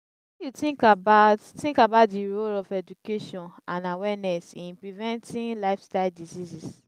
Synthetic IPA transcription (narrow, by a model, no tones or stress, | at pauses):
jutĩŋkabattĩŋkabaʊtdiɹolɔfɛd͡ʒukeʃɔ̃nãnawɛnɛsĩnpɹivɛ̃ntʰĩnlaɪfstaɪldizizis